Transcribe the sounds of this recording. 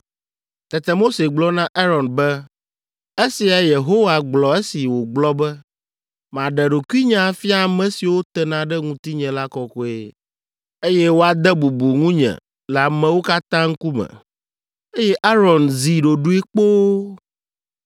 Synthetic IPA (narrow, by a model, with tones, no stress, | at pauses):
t̪ɛ˨t̪ɛ˨mo˦se˨ɡ͡blɔ˦nã˦ʔa˦ɾɔ˨nbɛ˦ | e˦si˨a˨je˨ɦo˦wa˨ɡ͡blɔ˨e˦si˨wo˨ɡ͡blɔ˦bɛ˦ | m˨ã˨ɖɛ˨ɖo˨ki˦ɲã˨fi˦a˦˨mɛ̃˨si˨wo˦t̪ɛ˨nã˨ɖɛ˦ŋũ˦t̪i˦ɲɛ̃˨la˦kɔ˨kɔ˦e˦ | e˦jɛ˦wo˦a˨d̪ɛ˦bu˨bu˨ŋũ˦ɲɛ̰̃˨ | la˨mɛ̃˨wo˦ka˦t̪ã˦ŋ̩˦ku˦mɛ̰̃˨ | e˦jɛ˦ʔa˦ɾɔ˨nzi˨ɖo˨ɖu˦e˦k͡po˦